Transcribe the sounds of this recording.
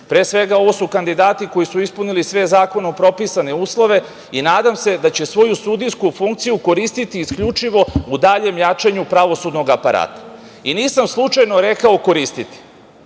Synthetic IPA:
pɾeːsʋe̞ɡao̞ʋo̞sukand̪id̪aːt̪iko̞jisuispunilisʋe̞zaːko̞nopɾo̞pisane̞uːslˠo̞ʋe̞ | inaːd̪amse̞d̪at͡ɕe̞sʋo̞jusud̪iskufuŋk̚t̪sijuko̞ɾist̪it̪iːskʎut͡ʃiʋo̞ud̪aʎe̞mjat͡ʃaɲupɾaʋo̞sud̪no̞ɡapaɾa̰ːt̪ḁiniːsamslˠut͡ʃajno̞ɾe̞kaoko̞ɾist̪it̪i̥

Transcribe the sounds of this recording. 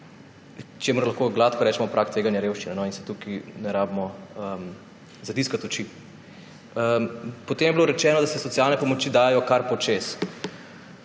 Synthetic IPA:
t͡ʃemʊɾlaxkoɡlaːt̪kɔɾɛːt͡ʃɛmɔpɾʔakt̪ʋeːɡanjaɾeːwʃt͡ʃinɛnɔinsɛ̥t̪ukinɛɾaːbmɔəm | zɐd̪iskat̪ɔt͡ʃi | əpɔt̪eːmjɛbloɾɛt͡ʃɛːnɔd̪asɛsɔt̪ijaːlnɛpɔmot͡ʃiːd̪aːjɛjɔkaɾpɔt͡ʃes

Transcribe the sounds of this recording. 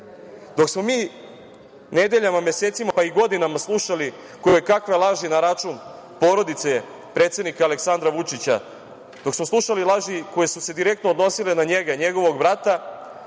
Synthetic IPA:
d̪o̞ksmo̞miː | ne̞d̪e̞ʎamamje̞seːt̪simapaiɡo̞d̪inamaslˠuʃali | kokakʋe̞lˠaʒinaɾat͡ʃun | po̞ːɾo̞d̪it̪se̞ | pɾe̞t̪sje̞d̪nikaːle̞ksand̪ɾaʋut͡ʃit͡ɕa̰ | d̪̥o̞ksmoslˠuʃalilˠaʒiko̞je̞suse̞d̪iɾe̞k̚t̪noːd̪no̞silenaɲe̞ɡaɲe̞ɡo̞ʋo̞ɡbɾat̪a

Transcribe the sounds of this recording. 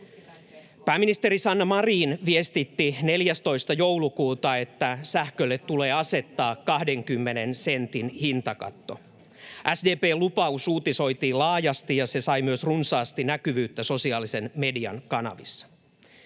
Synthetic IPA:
pæːminist̪eɾisɑnːɑmɑriːnʋiest̪it̪ːine̞ljæst̪oist̪ɑjowlukuːt̪ɑe̞t̪ːæsæhkølːet̪ːule̞ːɑse̞t̪ːɑːkkɑhdeŋkymːenensent̪inhint̪ɑkɑ̰t̪ːo̰ | ʔæsdeːpeːlupɑusuːt̪iso̞it̪iːlɑːjɑst̪ijɑse̞sɑjmyøsrunsɑːst̪inækyʋyːt̪ːæso̞siɑːlise̞nme̞diɑ̰nkɑnɑ̰ʋisːɑ̥

